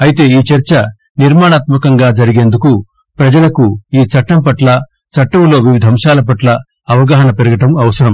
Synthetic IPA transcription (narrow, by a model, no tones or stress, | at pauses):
ɐjit̪e̞ːiːt͡ʃɐɾt͡ʃɐ | niɾmaːɳaːt̪mɐkɐŋɡaːd͡ʒɐɾiɡe̞ːnd̪uku | pɾɐd͡ʒɐlɐkuiːt͡ʃɐʈːɐmpɐʈlɐ | t͡ʃɐʈːɐmlo̞ːʋiʋid̪ʱɐmʂaːlɐp̬ɐʈlɐ | ɐʋɐɡaːɦɐɳɐpeɾuɡɐʈɐmɐʋɐsɐɾɐm